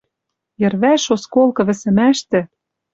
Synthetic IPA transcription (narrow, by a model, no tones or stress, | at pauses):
jɘ̆rβæʃoskolˠkɤ̆βɘ̆sɘ̆mæʃt̪ɘ̆